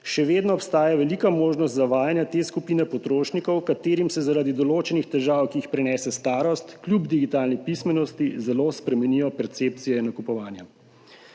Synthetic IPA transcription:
ʃɛʋeːd̪nɔːpst̪aːjaʋɛliːkamoːʒnɔst̪zaʋaːjanjat̪eːskupiːnɛpɔt̪ɾoːʃnikɔwkat̪eːɾimsɛzaɾaːd̪id̪ɔloːt͡ʃɛnixt̪ɛʒaːwkiːxpɾɛnɛːsɛst̪aːɾɔst̪klʲjubd̪iɡit̪aːlnipismɛnɔst̪izɛlospɾɛmɛnijɔpɛɾt̪seːp̚t̪sijɛinɐkupɔʋaːnja

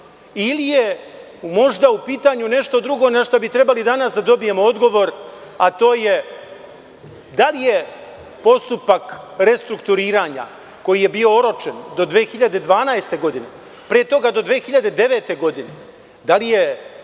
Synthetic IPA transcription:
ilije | mo̞ʐd̪aupiːt̪aɲune̞ʃt̪o̞d̪ɾuɡo̞naʃt̪obit̪ɾe̞balid̪anasd̪ad̪o̞bije̞mood̪ɡo̞ʋo̞ɾat̪o̞ːje̞ | d̪alije | po̞st̪upakɾe̞st̪ɾukt̪uɾiːɾaːɲa̰ | ko̞jijebio̞oɾo̞t͡ʃend̪o̞d̪ʋeːxiʎad̪e̞d̪ʋaːnaest̪e̞ɡo̞d̪ine̞ | pɾet̪o̞ɡad̪o̞d̪ʋeːxiʎad̪e̞d̪e̞ʋe̞ːt̪e̞ɡo̞d̪ine̞ | d̪alije̞

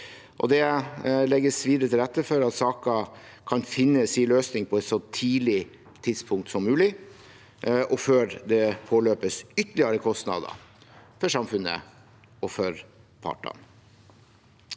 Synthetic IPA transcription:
ʔɔ̰d̪ɛlɛɡːəsʋiːd̪əɾət̪ʰɪlɛt̪ːəfœɾɑt̪sɑːkɑ | kʰɑnfɪnːəsiːløːsnɪŋpʰɔɛt̪sɔt̪ʰiːlɪ | t̪ʰɪd̪spʰʊŋk̚t̪sɔmːʉːlɪ | ɔføːɾd̪ɛpʰoːløːpəsʏt̪ːəɭɪɑɾəkʰɔst̪nɑ̰d̪ɑ̰fœʂɑmfʉnə̰ | ɔfœɾpʰɑ̰ʈːɑ̰n

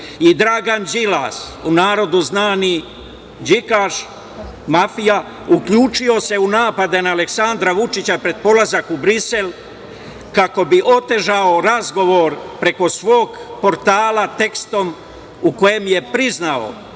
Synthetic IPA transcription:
id̪ɾaɡand͡ʒilasunaːɾo̞d̪uznaːni | d͡ʑikaʃ | mafija | ukʎuːt͡ʃijo̞se̞unaːpad̪enaːleksand̪ɾaʋut͡ʃit͡ɕapɾe̞d̪̚po̞lazakubɾise̞l | kako̞biʔo̞t̪e̞ʒaoɾazɡo̞ʋoɾpɾe̞ko̞sʋo̞ːɡpo̞ɾt̪aːlat̪e̞kst̪o̞m | uko̞je̞mje̞pɾiznao̰

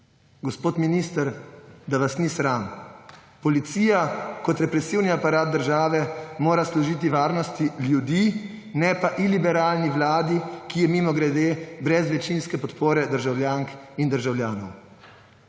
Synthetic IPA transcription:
ɡɔspoːt̪miniːst̪əɾd̪aʋasnisɾan | pɔlit̪siːjakɔt̪ɾɛpɾɛsiːwniapaɾaːt̪̚d̪əɾʒaːʋɛmoːɾaslɔʒiːt̪̬iʋaːɾnɔst̪iljud̪i | nɛpaʔilibɛɾaːlniʋlaːd̪ikijɛmimɔɡɾɛd̪eːbɾɛzʋɛt͡ʃinskɛpɔt̪poːɾɛd̪əɾʒawljaːŋkind̪əɾʒawljaːnɔ̰w

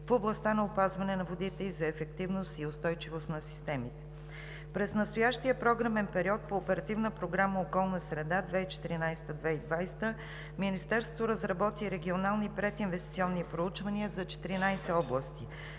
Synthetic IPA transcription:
foblˠɐst̪anɐopazvɐnɛnɐvod̪it̪ɛlizɐɛfɛkt̪ivnost̪iost̪ɔjt͡ʃivost̪nɐsi̥st̪ɛmit̪ɛ̥ | pɾɛsnɐst̪ojaʃt̪iəpɾɔɡɾəmɛnpɛɾiɔt̪̚poːpɛɾɐt̪ivnəpɾoɡɾaməokɔlˠnəsɾɛd̪ad̪vɛit͡ʃɛ̥t̪iɾinajst̪əd̪vɛid̪vajst̪ə | minist̪ɛɾsvot̪oɾəzɾɐbɔt̪iɾɛɡʲionalˠnipɾɛt̪invɛst̪i̥t̪siɔnːipɾout͡ʃvɐniəzɐt͡ʃɛ̥t̪iɾinajsɛɔblˠəst̪i

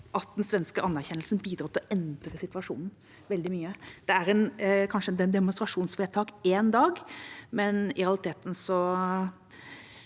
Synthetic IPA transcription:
ʔɑt̪̚d̪nsʋɛnskəɑnːæɾçɛnəlsn̩biːd̪ɾɑːt̪ʰɪlɔʔɛnd̪ɾəsɪt̪ʋɑʂṵːnn̩ | ʋɛld̪ɪmyːəd̪̥ɛæɾɛnkʰɑnʂəɛnd̪ɛnd̪ɛmʊnst̪ɾɑʂuːnsfeːt̪ʰɑːkeːnd̪ɑːɡmɛnɪɾɛɑlɪt̪ʰeːt̪n̩sɔ

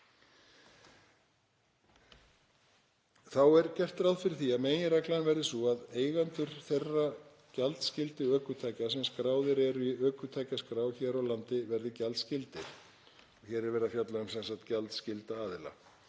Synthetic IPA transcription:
θawɛɾcɛr̥t̪ɾawðfɪɾɪɾθiameːjɪɾɛklanvɛɾðɪsuaðeːjɣant̪ʏɾ̥θerːa | calt̪scɪlt̪ɪœːkʏt̪ʰajcasɛmskɾaːwðɪɾɛɾʏiœːkʏt̪ʰajcaskɾaːwçɛːɾawlant̪ɪvɛɾðɪcalt̪scɪlt̪ɪ | ɔçɛːɾɛɾvɛːɾðafjat̪laʏmsɛnsaht̪calt̪scɪlt̪aaːðɪla̰

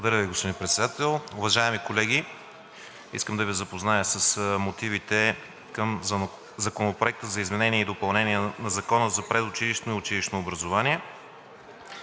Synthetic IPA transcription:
bˠd̪ɐɾəviɡospod̪inpɾɛt̪sɛd̪at̪ɛlˠʊvɐʒaɛmikolɛɡʲi | ḭskəmd̪ɐvizɐpoznajəsəsmot̪ivit̪ɛ | kəm | zɐkonopɾoɛk̚t̪əzɐizmɛnɛniɛid̪opɐlˠnɛniɛnɐzɐkɔnəzɐpɾɛd̪ʊt͡ʃiliʃnoiʊt͡ʃiliʃnoːbɾɐzovaniɛ

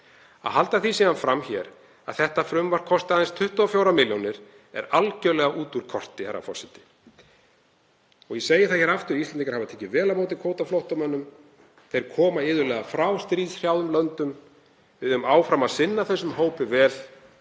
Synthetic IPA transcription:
a̰ðhalt̪aθisiðanfɾamçɛːɾ | a̰ðθɛht̪afɾʏmvar̥kʰɔst̪aðɪnst̪ʰʏht̪ɔɔfjowɾamɪljownɪɾ̥ | ɛ̰ɾalcœɥlɛɣaʔuːt̪uɾ̥kʰɔr̥t̪ɪhaɾa̰fɔ̰sɪt̪ɪ̥ | ɔɣjɛseːjɪ̥θaðçɛɾaft̪ʏɾist̪lɛnikaɾ̥havat̪ʰɛːcɪvɛːlamoːwt̪̬ɪkʰoːwt̪aflowht̪awmɛnːʏm | θejɾ̥kʰɔːmaɪːðʏɾlɛːɣafɾawst̪ɾiːðsr̥jaːwðʏmlœnt̪ʏm | vɪðʏmaːwfɾamaðsɪnːaθɛsːʏmɦoːwpɪvɛːð̥

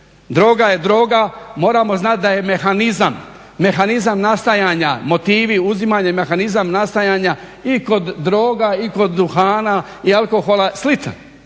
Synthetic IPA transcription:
d̪ɾo̞ːɡajed̪ɾo̞ːɡamo̞ːɾamo̞znat̪̚d̪aje̞mexanizamː | e̞xanizamnast̪ajaːɲamo̞t̪iːʋiuzimaɲaimexanizamnast̪ajaːɲa | iko̞d̪ːɾo̞ːɡaiko̞d̪ːuxaːna | ialko̞xo̞lˠaslit̪a̰n

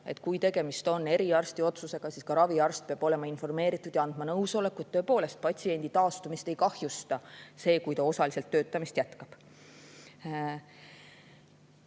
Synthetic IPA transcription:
e̞̰t̪ːˑkujt̪e̞ɡ̥e̞mist̪o̞nːe̞ɾiɑrst̪io̞t̪suse̞ɡ̥ɑsiːskɑɾɑviɑrst̪̚peɑb̥o̞le̞mɑinfo̞rme̞ːɾit̪ːˑud̪̥jɑɑnd̪̥mɑnɤwso̞le̞kːuet̪ːøe̞po̞ːle̞st̪̚pɑt̪ʲsie̞nʲd̪̥it̪ɑːst̪umist̪e̞jkɑhjust̪ɑse̞ːkujt̪ɑo̞sɑlise̞lt̪ːø̞ːt̪ːˑɑmist̪jæt̪kɑb̥

